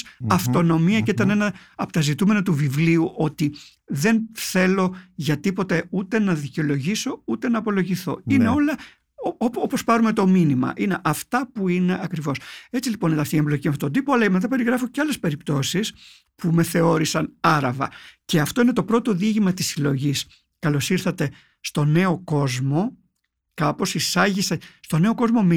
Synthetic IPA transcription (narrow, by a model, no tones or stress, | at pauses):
ɐft̪o̞no̞miɐceit̪ɐne̞nɐɐpot̪ɐzit̪ume̞nɐt̪uvivliuʔo̞t̪i | ðe̞nθe̞lo̞ʝɐt̪ipo̞t̪e̞ut̪e̞nɐðiceo̞lo̞ʝiso̞ut̪e̞nɐːpo̞lo̞ʝiθo̞̰inneo̞lɐ | ooopo̞spɐɾume̞t̪o̞minimɐ̰ʔine̞ʔɐft̪ɐpuine̞ɐkɾivo̞se̞t͡silipo̞nit̪ɐft̪iemblo̞cimɐft̪ot̪od̪ipoɐlɐemet̪ɐpe̞ɾiɣɾɐfo̞ceɐle̞spe̞ɾipt̪o̞sis | pume̞θe̞o̞ɾisɐnɐɾɐvɐ̰ceɐft̪o̞ine̞t̪o̞pɾo̞t̪o̞ðiʝimɐt̪i̥silo̞ʝis | kɐlo̞siɾθɐt̪e̞ | st̪o̞ne̞o̞ko̞zmo̞ | kɐpo̞sisɐʝisest̪o̞ne̞o̞ko̞zmo̞me